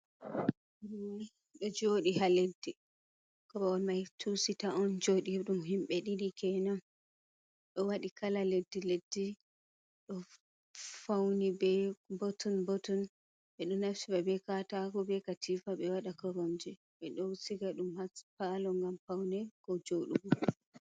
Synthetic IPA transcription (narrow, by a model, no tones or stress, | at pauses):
ɗɔd͡ʒoːɗihaledːi | kɔɾɔɔnmajtʰusitaɔnd͡ʒoɗiɗumɦimɓɛɗiɾikʰɛnam | ɗɔwaɗikʰalaledːiledːi | ɗɔ | fawnibɛbɔtɔnbɔtɔn | ɓɛɗɔnafsibabɛkataɡɔbɛkatʰifabɛwaɗakɔɾomd͡ʒɛ | ɓɛɗowsiɡaɗumhapalɔŋɡamfawnɛkɔd͡ʒoɗuɡɔ